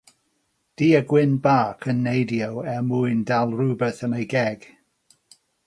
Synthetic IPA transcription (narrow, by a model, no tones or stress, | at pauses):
d̥iːəɡwɪnbaːkʰənːejdjawɛmuɨndalˠrʊbəθənejɡɛɡ̥